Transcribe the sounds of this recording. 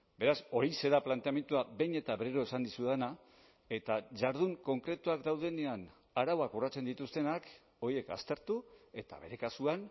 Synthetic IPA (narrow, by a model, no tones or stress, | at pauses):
be̞ɾaso̞ɾise̞ðaplant̪eame̞nt̪uabe̞jne̞t̪aβeɾeɾo̞esand̪isuðana | e̞t̪aʝaɾð̞uŋko̞ŋkɾe̞t̪uakd̪awðe̞ne̞an | aɾawakurat͡se̞nd̪it̪ust̪e̞nak | o̞ɾie̞ka̰st̪e̞ɾt̪ue̞t̪a̰βe̞ɾe̞kasuan